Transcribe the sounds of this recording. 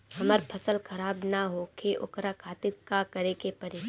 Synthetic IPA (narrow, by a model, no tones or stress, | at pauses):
ɦɐməɾpʰɐsəlxɐɾaːbnaɦokʰeʔʊ̰kɾakʰaːt̪ɪt̪̚kakɐɾekepɐɾe